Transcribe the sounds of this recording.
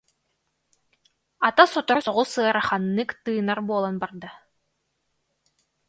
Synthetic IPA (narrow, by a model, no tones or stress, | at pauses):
at̪asɔt̪ɔɾsɔʁusɯɐɾaχanːɯkt̪ɯːnaɾbuɔlˠanbaɾd̪a